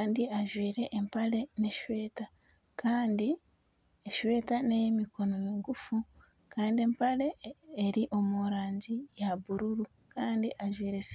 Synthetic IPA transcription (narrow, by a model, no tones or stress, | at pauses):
kaːndiaʒwiːɾe̞ʔːmpale̞ne̞ʃwe̞ːta | kaːndi | eʃwe̞ːtanejemiko̞nojeŋɡufu | kaːndie̞mpale̞ːɾiʔo̞muɾaːɲɟijaβuɾuɾu | kaːndiʔaʒwiːɾe̞s